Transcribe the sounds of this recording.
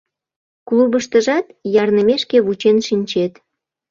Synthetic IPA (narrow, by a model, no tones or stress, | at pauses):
kluβəʃt̪əʒɑt̪jɑrnəmeʃkeβut͡ɕenʃinʲt͡ɕet̪